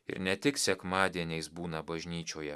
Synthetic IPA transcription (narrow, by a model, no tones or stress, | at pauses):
ɪ̰ɾnʲɛt̪ʲɪksʲɛkmɑːd̪ʲiɛnʲɛɪsbuːnɐbɐʒʲnʲiːt͡ʃʲoːjɛ